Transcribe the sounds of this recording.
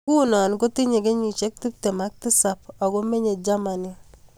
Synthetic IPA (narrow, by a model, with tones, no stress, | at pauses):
ku˦nɔ˨nko˦ti˦ɲe˨ke˦ɲi˨t͡ʃe˦k̚ti˦p̚te˨ma˦k̚ti˦sa˨p̚ɔ˨ko˦me˦ɲe˨d͡ʒa˦ma˨ni˦